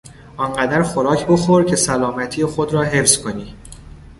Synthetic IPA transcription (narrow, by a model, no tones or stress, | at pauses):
ʔɒːnɢæd̪æɾxoɾɒːcʰbo̞xoɾcʰe̞sælɒːmæt̪ʰiːexo̞d̪ɾɒːɦe̞fz̥kʰo̞niː